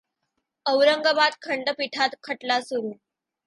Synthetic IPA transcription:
əʋɾəŋɡəbat̪̚kʰəɳɖəpiʈʰat̪kʰəʈlasuɾuː

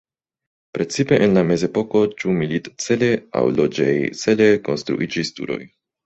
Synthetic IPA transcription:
pɾe̞t͡sipe̞ʔenlame̞ze̞po̞ko̞t͡ʃumilitt͡se̞le̞a̰wlo̞d͡ʒejt͡se̞le̞ko̞̰nstɾṵʔid͡ʒistṵɾo̞̰j

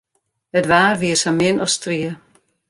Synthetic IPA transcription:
ətʋaːrʋiəsamɪnɔstriə

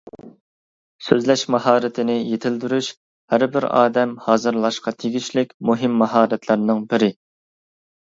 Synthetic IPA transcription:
søzlɛʃmɑhɑːɾɪt̪ʰɪnɪjet̪ʰɪld̪yɾyʃ | hæɾbɪɾɑ̰ːd̪ɛmhɑːzɨɾlˠɑʃqɑt̪ʰeɡʲiʃlɪkʲmuɦɪmːɑɦɑːɾɛt̪ʰlˠɨɾnɨŋbɪɾɪ

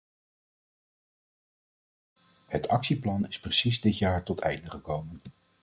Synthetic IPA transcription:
hətɑksiplɑnɪsprəsizdɪtjaːɹtɔtʰɛ̰jndəχəkowmən

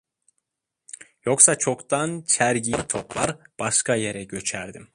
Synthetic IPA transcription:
jo̞ksat͡ʃʰo̞kt̪ʰant͡ʃʰæɾɟit̪ʰoplˠaɾb̥aʃkaje̞ɾɛɟø̞t͡ʃʰæɾd̪im

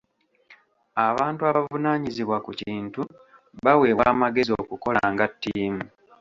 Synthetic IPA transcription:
aβaːntuaβavunaːɲiziβwakuciːntu | βawe̞ːβwaːmaɡe̞zio̞kuko̞laŋɡatːiːmu

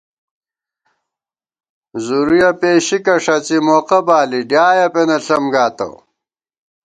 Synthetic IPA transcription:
zuɾujɐpeːɕikɐʂɐt͡simoːqɐbaːliɖjaːjɐpenɐɬɐmɡaːt̪ɐ̰w

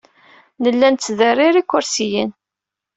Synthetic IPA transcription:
nəlːænt̪t͡sːðərːiɾikːʊɾsijin

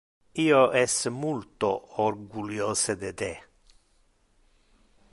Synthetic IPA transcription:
iːoʔɛsmult̪oɔɾɡuljøːsəd̪eːd̪eː

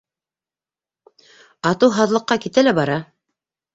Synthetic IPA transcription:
ɑt̪ɤwɦɑðlˠɤ̆qːɑkit̪ælæbɑɾɑ

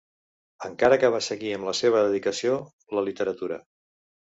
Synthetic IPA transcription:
əŋkaɾəkəβ̞asəɣiəmləseβ̞əðəðikəsio | ləlit̪əɾət̪uɾə̰

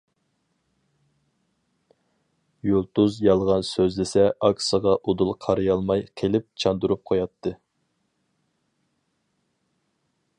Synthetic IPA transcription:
jolˠt̪uzjɑlˠʁɑnsøzlɪsɛʔɑksəʁɑʔod̪ulˠqʰɑɾɨjɑlˠmɑjqʰelɪp̚t͡ʃʰɑnd̪uɾup̚qʰojɑt̪ʰːɨ

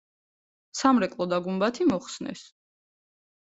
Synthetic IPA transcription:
samɾɛkʼlˠɔd̪aɡumbat̪ʰimɔχsnɛ̰s

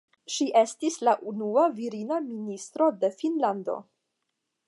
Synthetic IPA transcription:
ʃiʔe̞stislaʔunuaviɾinaministɾo̞de̞finlando̞̰

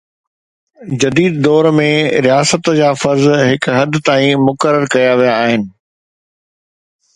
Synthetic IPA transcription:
d͡ʑɐd̪iːd̪d̪ɔːɾmẽɾijaːsət̪d͡ʑaːfɐɾzɦɪkɦɐd̪ʱt̪aːĩmʊkəɾəɾkɐjaʋijaːɦɪnɪ̆

